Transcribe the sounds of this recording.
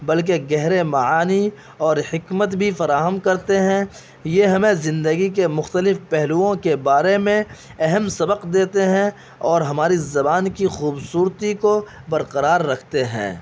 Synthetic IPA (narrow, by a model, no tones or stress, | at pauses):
bɐlk̬eɡɛɦɾemɐaːni | ɔːɾhɪkmət̪bʱifɐɾaːɦəmkɐɾt̪eɦɛ̃ | jeɦɐmẽzɪ̃nd̪əɡik̬emʊxt̪əlɪfpɛɦluõkebaːɾemẽ | ɛɦəmsɐbəqd̪eːt̪eɦɛ̃ | ɔːɾɦɐmaːɾizɐbaːnkixuːbsuːɾt̪iko | bɐɾqəɾaːɾːɐkʰt̪eɦɛ̰̃ː